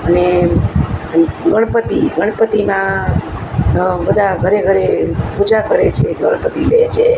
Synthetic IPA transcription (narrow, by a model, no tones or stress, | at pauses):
əne | ɡəɳpət̪iɡəɽ̃pət̪imã | bəd̪ʱaɡʱəɾeɡʱəɾepud͡ʒakəɾet͡ʃʰeɡəɽ̃pət̪ilet͡ʃʰe